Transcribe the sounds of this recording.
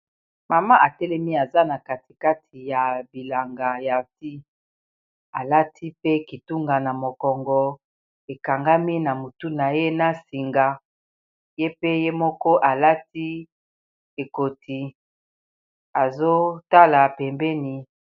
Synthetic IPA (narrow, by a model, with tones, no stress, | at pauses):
ma˨ma˦ʔa˨tɛ˦lɛ˦mi˦a˨za˦na˨ka˨ti˨ka˦tʰi˨ja˨bi˨la˨ŋɡa˨ja˨ti˦ | a˨la˦tʰi˦pe˦ki˨tu˦ŋɡa˨na˨mo˨kɔ˨ŋɡɔ˨ | e˨ka˨ŋɡa˦mi˦na˨mo˨tu˦na˨je˦na˦si˨ŋɡa˨ | je˦pe˦je˦mɔ˦kɔ˦ʔa˨la˦ti˦ | e˨ko˨tʰi˨ | a˨zo˦ta˦la˨pɛ˨mbɛ˦ni˨